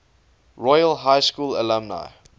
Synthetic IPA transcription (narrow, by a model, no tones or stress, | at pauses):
ɹɔjəlɦaɪskuːlə̰lə̃mna̰ɪ